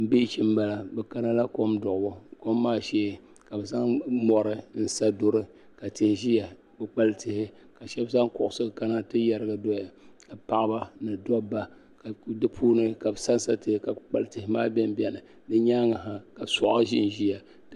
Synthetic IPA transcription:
m̩˨bi˦t͡ʃi˦m˦ba˨la˨bɛ˨ka˦na˦la˦ko˦mdʊ˨ʔbʊ˦ko˦mːaː˦ʃɛː˦˨ | ka˨bɨ˨za˦ŋmɔ˨ɾɨ˦n̩˦sa˦do˦ɾɨ˦ | ka˨tɪ˨hɪ˨ʒi˦ja˨ | bɨ˨k͡pa˦ltɨ˨hɪ˦ | ka˨ʃɛ˦bza˦ŋkʊ˨ʔʊ˨sɨ˦˨ka˦na˦tɨ˦ja˨ɾɨ˦ɡa˦do˦ja˨ka˨pa˨ʔba˦nɨ˨dɔ˦bːa˨ | ka˨dɨ˦pʰuː˦nɨ˦ka˨bsa˦n˦sa˦tɨ˨hɪ˦ka˨k͡pa˨ltɨ˨hɪ˨maː˦bɛ˦m˦bʲɛ˦nɨ˨ | dɨ˦ɲaː˦ŋa˨ɦa˨ka˨sʊ˨ʔa˦ʒḭ˦n˨ʒi˦ja˨

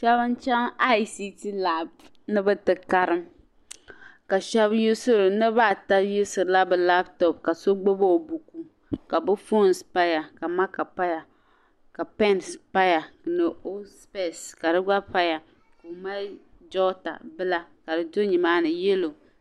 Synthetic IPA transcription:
ʃɛ˦βɨ˦nt͡ʃɛ˦ŋa˦i˦si˦ti˦la˦˨b | nɨ˦bɨ˦tɨ˨ka˦ɾɨ˦m | ka˨ʃɛ˦bju˦sɨ˦ɾɨ˨nɨ˦ba˦˨ta˦ju˦sɨ˨ɾla˦bɨ˨la˦btɔ˨p̚ka˨so˦ɡ͡bo˦bo˦o˨bu˨ku˨ | ka˨bɨ˦fo˦˨nspa˦ja˨ka˨ma˦ka˨pa˦ja˨ | ka˨pɛ˦nspa˦ja˨nɨ˨o˦spe˦˨ska˨dɨ˦ɡ͡ba˦pa˦ja˨ | ko˨ma˦ | d͡ʒɔ˦ta̰˨bɨ˦la˦ka˨dɨ˨do˦ɲi˨maː˦nɨ˨jɛ˦lo˨

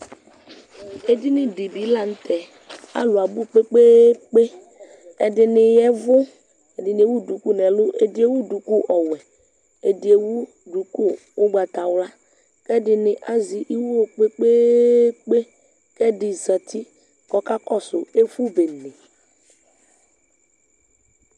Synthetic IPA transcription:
e˨di˦nɪ̃˦di˨bi˨˦la˨n̩˦t̪ʰɛ˨ | a̰˦lʊ˨a˨bu˦k͡pe˦k͡pe˦k͡pe˦ | ɛ˨dɪ˨nɪ˨jɛ˦vʊ˦ | e˨dɪ˨ni˨e˨˦wu˦du˨ku˦nɛ̃˨lʊ˦ʔe˨dɪ˦e˦wu˦du˨ku˦ʔɔ˨wɛ˨ | e˨di˨e˨wu˦ | du˨ku˦ | wo˦ɡ͡ba˨t̪a˨wla˦ | kɛ˦dɪ˨nɪ˨ʔa˦zi˨ʔi˦wo˦k͡pe˦k͡pe˦k͡pe˦ | kɛ˦dɪ˨za˨t̪ʰi˦ | kɔ˦ka˦kɔ˦sʊ˨e˦fu˦be˨ne˨

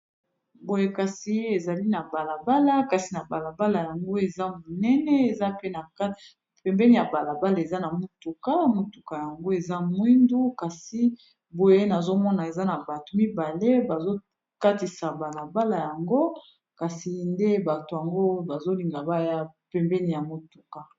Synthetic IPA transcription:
bo˨je˦ka˨si˦e˨za˨li˦na˨ba˨la˨ba˦la˦ka˨si˨na˨ba˨la˨ba˦la˨ja˨ŋɡo˦e˨za˦mo˨nɛ˦nɛ˦e˨za˦pe˦na˨ka˦ | pɛ˨mbɛ˦ni˦ja˨ba˨la˨ba˦la˨e˨za˦na˨mo˨tu˨ka˦mo˨tu˨ka˨ja˨ŋɡo˦e˨za˦mwi˦ndu˦ka˨si˦ | bo˨je˦na˨zo˦mɔ˦na˨e˨za˦na˨ba˨to˨mi˦ba˨le˦ba˨zo˦ | ka˦ti˨sa˨ba˨la˨ba˦la˨ja˨ŋɡo˦ | ka˨si˨nde˦ba˨to˨ja˨ŋɡo˦ba˨zo˦li˨ŋɡa˨ba˦ja˦pɛ˨mbɛ˦ni˨ja˨mo˨tu˨ka˨

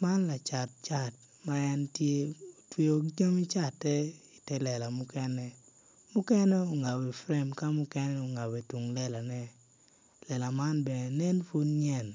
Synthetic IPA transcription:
ma˦nla˨t͡ʃa˨t̚t͡ʃa˨t̚ | ma˦ɛ˦ntje˦o˨twe˨o˨d͡ʒa˦mi˦t͡ʃa˦˨tːɛ˦i˨tɛ˦lɛ˨la˨mʊ˦kɛ˦nɛ˦ | mʊ˦kɛ˦nɛ˦o˨ŋa˨wɛ˨fɾɛ˦mka˦mʊ˦kɛ˦nɛ˦o˨ŋa˨we˨tu˨ŋlɛ˦la˨nɛ˦ | lɛ˨la˨ma˦nbɛ˨nɛ˨nɛ˦nfu˦nɲɛ˦˨n

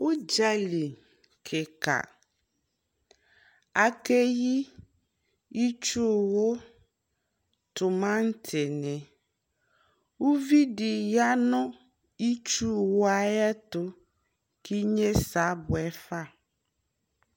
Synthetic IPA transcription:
wo˦d͡ʒa˦li˨ | kʰe˨ka̰˨ | a˨ke˦ji˦ | i˦t͡ʃu˦˨wo˦ | t̪o˨mã˦ŋ̩˦t̪ʰe˨nɛ̃˨ | wu˦vi˦ɖi˨ja˦nɔ̃˦ | i˦t͡ʃu˦˨wo˦a˨jɛ˦t̪o˦ | ki˦ɲe˦sa˨˦bʊ˨ɛ˦fa˦˨

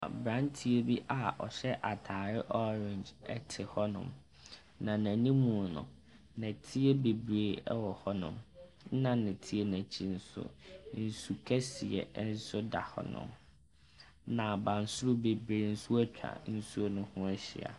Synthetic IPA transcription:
bɾã˦ntʰi˦e˦bi˦ʔa˨ɔ˨ɕɛ˦ʔa˨tʰaː˨ɾɪ˦ʔɔ˦ɾɪ̃˨ɲd͡ʒɛ̰˦tʰɪ˨hɔ˦nʊ̰̃˨m | nã˨næ̃˨nĩ˦mũ˨nʊ̰̃˨ | nɛ̃˨tʰi˦e˦be˨bɾeː˨ɛ˦wɔ˨hɔ˦nʊ̰̃˨m˦ | nã˨nɛ̃˨tʰi˦e˦næ̃˨t͡ɕʰi˦n̩˦sʊ̰˦n̩˨su˨kʰɛ˦si˨ɛ̰˨˦n̩˦sʊ˦da̰˨hɔ̰˦nʊ̰̃˨m | nã˨bã˨n̩˦sʊ˦ɾʊ˦be˨bɾeː˨n̩˦sʊ˦æ˦t͡ɕᶣa̰˨n̩˦su˦o˦nʊ̃˦hʊ̃˦ɛ˦ɕɪ̰˨a̰˨

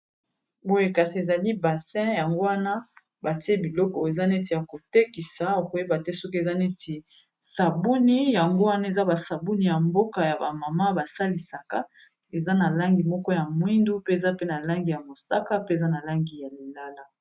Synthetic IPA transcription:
bo˦je˦ka˨si˨e˨za˨li˦ba˨sɛ̃˦ja˨ŋɡo˦wa˦na˦ | ba˨ti˦e˦bi˨lɔ˦kɔ˨e˨za˦ne˦ti˨ja˨ko˨te˦ki˨sa˨o˨ko˨je˦ba˨tɛ˦so˦ke˨za˦ne˦tʰi˨ | sa˨bu˦ni˦ja˨ŋɡo˦wa˦na˦e˨za˦ba˨sa˨bu˦ni˨ja˨mbo˦ka˨ja˨ba˨ma˨ma˦ba˨sa˦li˨sa˨ka˦ | e˨za˦na˨la˦ŋɡi˨mɔ˦kɔ˦ja˨mwi˦ndu˦pe˦e˨za˦pe˦na˨la˦ŋɡi˨ja˨mo˨sa˦ka˦pe˦e˨za˦na˨la˦ŋɡi˨ja˨li˨la˦la˦

